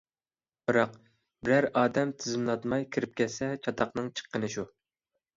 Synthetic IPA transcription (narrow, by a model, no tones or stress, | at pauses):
b̥ɨɾɑq | bɪɾæɾɑːd̪ɛmt̪ʰɪzɪmlˠɑd̪mɑjkʲʰiɾɪp̚kʲɛsɛt͡ʃʰɑt̪ɑqnɨŋt͡ʃʰə̥qːənɨʃu